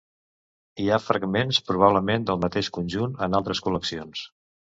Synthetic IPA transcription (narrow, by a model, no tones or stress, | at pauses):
iafɾəɡmenspɾuβ̞aβləmend̪əlˠmət̪eʃkunʲʒunənalˠt̪ɾəskuləksions